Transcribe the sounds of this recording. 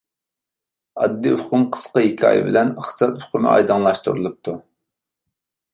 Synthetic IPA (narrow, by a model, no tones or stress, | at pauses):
ɑ̰d̪ːiʊqʰʊmqʰə̥sqəɦikʲʰɑ̰ːjɨ̰bɪlɛnəχt̪ɨ̥sɑt̪ʊ̥qɨmɪ̰ʔɑ̰jd̪ɨŋlˠɑʃt̪uɾulˠup̚t̪ʰu